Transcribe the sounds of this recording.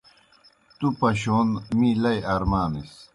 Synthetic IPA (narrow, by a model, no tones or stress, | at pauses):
t̪upɐɕoːnmilɐjɐɾmaːnis